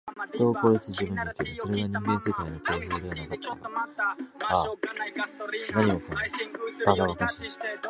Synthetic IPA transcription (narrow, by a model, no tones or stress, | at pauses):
çi̥t̪o̞ːko̞ɾet͡sɨʑibɯ̟̃nːokʲebɯso̞ɾe̞ɡaɲ̟ĩŋɡẽse̞kainok̪eːɸɯːd̪e̞anakat̪ːa̰ɡa̰ | a | naɲ̟imokɯ̃nd̪esbaɡ̪aβakaɕiḁ